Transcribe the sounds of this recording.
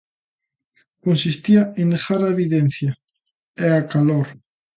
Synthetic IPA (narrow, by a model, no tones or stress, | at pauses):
konsist̪iaẽnd̪exaɾaeβiðen̟θja | eakaloɾ